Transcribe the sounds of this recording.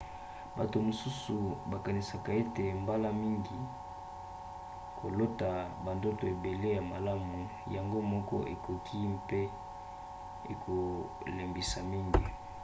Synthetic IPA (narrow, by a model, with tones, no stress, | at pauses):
ba˨to˨mo˨su˦su˨ba˨ka˨ni˨sa˨ka˨e˦te˨mba˦la˦mi˦ŋɡi˨ | kʰo˨lo˦ta˨ba˨ndo˦to˨e˨be˨le˦ja˨ma˨la˦mu˨ | ja˨ŋɡo˦mɔ˦kɔ̰˦ʔe˨ko˨kʰi˦pe˦ | ḛ˨kʰo˨ | le˨mbi˨sa˨mi˦ŋɡi˨